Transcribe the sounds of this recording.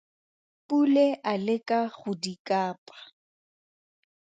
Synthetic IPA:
pʼuleʔalɪkʼaχʊdikʼaːpʼḁ

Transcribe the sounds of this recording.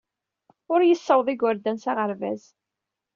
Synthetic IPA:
ʊɾjəsːəwðˤɪɡwəɾd̪ænsaʁəɾvæz

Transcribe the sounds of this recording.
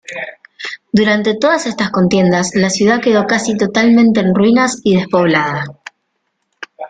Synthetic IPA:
d̪uɾant̪e̞t̪o̞ðasest̪asko̞nt̪je̞nd̪aslasjuðake̞ðo̞kasit̪o̞t̪almẽ̞nt̪e̞ːnrwinasið̞e̞spo̞βlaða

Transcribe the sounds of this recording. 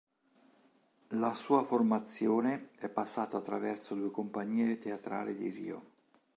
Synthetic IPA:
lasuːaformat̪sːjoːneɛpːasːaːt̪aːt̪ːɾavɛrsod̪uːekompaɲːiːet̪eat̪ɾa̰ːlid̪irḭːo̰

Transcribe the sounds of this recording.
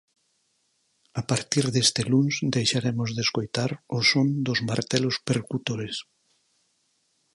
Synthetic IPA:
apaɾt̪iɾðest̪elunsd̪ejʃaɾemozðeskojt̪aɾosond̪ozmaɾt̪elospeɾkut̪oɾes

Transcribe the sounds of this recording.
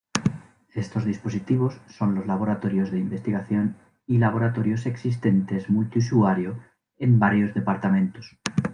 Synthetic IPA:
est̪o̞zðispo̞sit̪iβ̞o̞sːo̞nlo̞zlaβ̞o̞ɾat̪o̞ɾjo̞zðeimbe̞st̪iɣaθjo̞n | ilaβ̞o̞ɾat̪o̞ɾjo̞se̞ksist̪e̞nt̪e̞zmult̪iusuaɾjo | embaɾjo̞zðe̞paɾt̪amẽ̞nt̪os

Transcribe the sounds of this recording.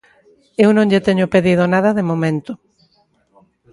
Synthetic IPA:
ewnõŋʎet̪eɲʊpeðiðonaðɐðemomẽnt̪ʊ

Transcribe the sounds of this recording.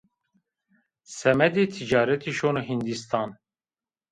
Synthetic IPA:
sɛmɛd̪eːt̪ʰid͡ʒɑːɾɛt̪ʰiːʃoːnoɦind̪ist̪ʰɑːn

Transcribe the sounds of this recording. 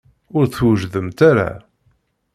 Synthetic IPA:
ʊɾθwəʒðəmt̪aɾa̰

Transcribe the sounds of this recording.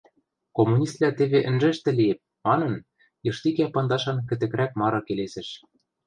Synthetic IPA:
komːunʲist̪̚læt̪ĕβeʔɘ̆nʒɘ̆ʃt̪ɘ̆liep̚ | mɑnɤ̆n | jɤ̆ʃt̪ikæpɑnd̪ɑʃɑnkɘ̆t̪ɘ̆kɾæk̚mɑɾɤ̆kelesɘ̆ʃ

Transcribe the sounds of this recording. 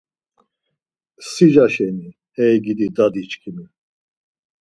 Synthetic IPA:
sid͡ʒaʃɛni | ɛjɡid̪id̪ad̪it͡ʃʼkʰimi

